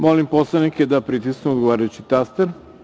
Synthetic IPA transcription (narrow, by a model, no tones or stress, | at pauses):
molimposlˠaniked̪apɾit̪iskneod̪ɡoʋaːɾajut͡ɕit̪ast̪aɾ